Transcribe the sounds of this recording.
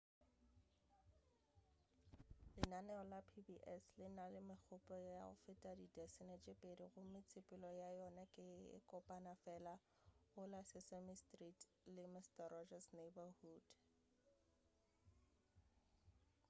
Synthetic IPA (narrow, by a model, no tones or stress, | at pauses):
lɪnanɛɔlapʰibiʔɛslɪnalɪmɪk͡xʰʊpʼɔjaʊ̰fɪtʼadidɛsɪnet͡ʃʼɪpʼediɣʊmɪt͡sʰɪpʼɪlɔjajɔnakʼɪɪ̰kʼɔpʼanafɛla | ʊlasɪsɛmistritʼ | lɪmɪstarɔd͡ʒasnebahuːd̥